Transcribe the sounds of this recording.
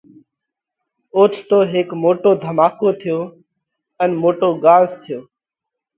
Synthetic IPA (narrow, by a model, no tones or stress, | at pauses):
oːt͡ʃʰt̪oːɦeːkmoːʈoːd̪ʱəmaːkoːt̪ʰɪjoː | ənmoːʈoːɡaːzt̪ʰɪjoː